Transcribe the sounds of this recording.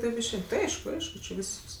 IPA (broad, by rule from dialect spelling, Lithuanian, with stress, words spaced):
ˈtɐɪp ɪʃʲˈɛɪn tʲɪ ˈɐɪʃkʊ ˈɐɪʃkʊ t͡ʃʲɪ ˈʋʲiːsks